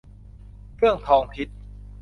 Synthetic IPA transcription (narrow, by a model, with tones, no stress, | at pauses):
kʰɯ˥˩əŋt̪ʰɔː˧ŋpʰi˦˥t̪̚